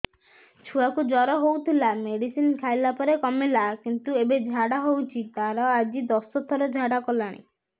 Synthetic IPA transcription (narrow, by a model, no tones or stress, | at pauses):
t͡ʃʰuakud͡ʒɔɾɔɦowt̪ʰilameɽisinkʰajlapɔɾekɔmilakint̪uebed͡ʒʱaɽaɦowt͡ʃʰit̪aɾɔad͡ʒid̪ɔsɔt̪ʰɔɾɔd͡ʒʱaɽakɔlaɽ̃ḭ